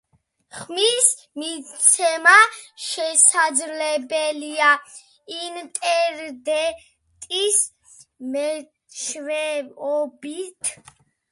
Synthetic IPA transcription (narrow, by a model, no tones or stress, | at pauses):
χmis | mit̪sʰɛmaʃɛsad̪zlɛbɛlia | int̪ʼɛɾd̪ɛ | t̪ʼis | mɛ | t͡ʃʰvɛɔbit̪ʰ